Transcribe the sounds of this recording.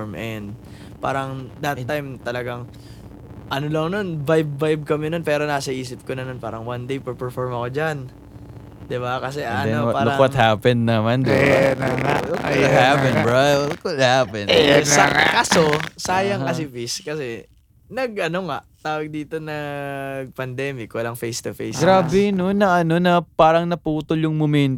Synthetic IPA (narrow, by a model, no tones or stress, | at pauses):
mʔɛnd̪̚ | pa̰ːɾɐŋd̪ɐt̪ːajmt̪ɐlɐɡaŋ | ʔɐnolɐŋno̞nːajb̚ːajb̚kɐmɛnonpɛːɾo̞naːsɐʔiːsɪp̚konɐnonpaːɾɐŋwand̪ejpɛpɛɹfoɹmɐkod͡ʒan | d̪ɪbakɐs̬ɛʔɐnoaːɾɐwɐt̪haːpɛnːɐmand̪ɪba | ok̪hapɛ̃nbɹakwɐt̪̚hapɛnsɐkɐsosaːjɐŋkɐsɪfiskɐsɛ | nɐɡʔɐno̞ŋaʔt̪aːwɐɡ̚d̪iːt̪o̞nɐɡ̚pɐnd̪ɛːmɪkwɐlɐŋfejst̪ʊfejsɡɡɾaːbɛnonːɐʔɐno̞nɐpaːɾɐŋnɐpuːt̪oljʊŋmomɛnt̪